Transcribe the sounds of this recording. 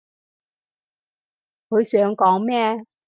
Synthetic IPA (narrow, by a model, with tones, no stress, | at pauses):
kʰɵ˨˧ɥsœː˨˥ŋkɔː˨˥ŋmɛː˥˩